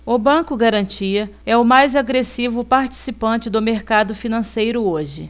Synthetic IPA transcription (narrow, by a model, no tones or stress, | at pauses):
ʊbɐ̃kʊɡaɾɐ̃nt͡ʃiɐɛʊmajzaɡɾesivʊpaɾt͡ʃi̥sipɐ̃nt͡ʃɪd̪ʊmeɾkad̪ʊfinɐ̃sejɾʊoʒɪ